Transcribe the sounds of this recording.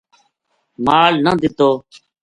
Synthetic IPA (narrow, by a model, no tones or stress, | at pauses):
maːlnəd̪ɪt̪oː